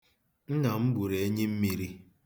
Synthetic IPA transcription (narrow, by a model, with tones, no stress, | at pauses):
n̩˦na˨m̩˦bu˨ɾe˨e˦ɲe˦m̩˦mi˦ɾi˦